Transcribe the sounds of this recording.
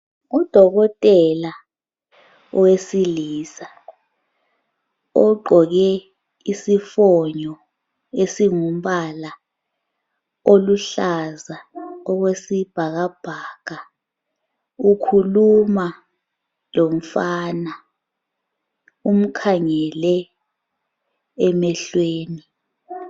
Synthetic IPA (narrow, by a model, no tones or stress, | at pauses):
ud̥ʱɔɣɔtʼɛla | ɔwesiliːsa | ɔɡ͡ǃʱɔɣɛ | isifɔɲɔ | esiŋum̩ɓala | oluɬazaɔk̬wesib̥ʱaɣ̬ab̥ʱaːka | ukʰuluma | lom̩faːna | um̩kʰaŋɛlɛ | ɛmɛɬweːni